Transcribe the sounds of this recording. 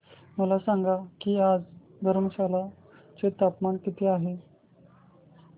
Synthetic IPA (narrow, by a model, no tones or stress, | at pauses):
məlasaŋɡakiːad͡z | d̪ʱəɾməɕala | t͡set̪apmaɳkit̪ʰiːaɦe